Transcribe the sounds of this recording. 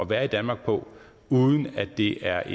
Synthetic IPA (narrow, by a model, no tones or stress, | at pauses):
ɒ̽ʋæːɐid̥ænmɑ̈ːɡ̥̚pʰɒ̽ | uːð̞ˠn̩æd̥e̝ʔæɐʔe